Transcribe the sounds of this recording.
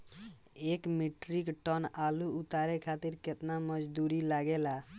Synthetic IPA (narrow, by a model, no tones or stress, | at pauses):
ekmiʈɾikʈɔnaluut̪aɾekʰat̪iɾket̪naməd͡ʒd̪uɾilaɡela